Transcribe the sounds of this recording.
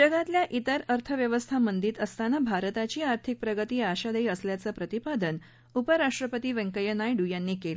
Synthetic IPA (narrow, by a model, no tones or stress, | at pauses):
d͡ʑəɡat̪ljaʔit̪əɾəɾt̪ʰəʋjəʋəst̪ʰamənd̪iːt̪əst̪anəbʱaɾət̪at͡ɕiːaɾt̪ʰik̚pɾəɡət̪iːaɕad̪əiːəsljat͡səpɾət̪ipad̪ən | upəɾaʂʈɾəpət̪iːʋə̃ŋkəjənajɖujanːiːkel